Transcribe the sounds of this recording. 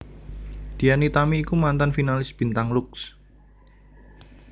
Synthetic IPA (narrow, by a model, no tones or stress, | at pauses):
d̪̥ijanit̪amiːkumant̪anfinalɪsb̥i̤nt̪aŋlʊks